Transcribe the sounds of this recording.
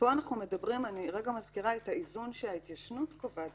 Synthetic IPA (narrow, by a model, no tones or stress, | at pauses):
b̥oanaχnume̞dabʁimaniʁeɡamazkiʁaethaizunʃelhait̪jaʃnutkovat